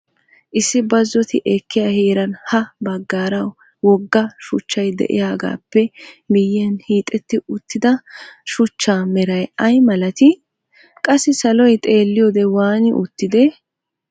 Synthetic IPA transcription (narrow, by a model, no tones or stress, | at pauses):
ʔɪsːɪbɐzːɔt̪ɪʔɛkːɪjaheːɾɐnhɐbɐɡːaːɾɐw | wɔɡːɐʃʊt͡ʃːɐjd̪ɛ̰ʔɪ̰jaːɡa̰ːpːɛmɪjːɛnhiːt̪ʼːɛt̪ːɪʊt̪ːɪd̪ɐʃʊt͡ʃːaːmɛɾɐjɐjmɐlɐt̪ɪ | kʼɐsːɪsɐlɔjt̪ʼe̞ːlːɪjɔd̪ɛwaːnɪʔʊt̪ːɪd̪ɛ